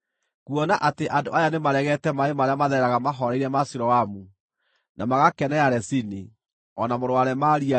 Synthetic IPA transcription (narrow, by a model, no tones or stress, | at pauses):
kwɔnaʔateʔando̰ʔajanemaɾɛɣɛtɛmaemaɾeamaðɛɾaɣamaɦɔɾɛiɾɛmasuɾɔamu | namaɣakɛnɛaɾɛsini | ɔnamoɾowaɾɛmaɾia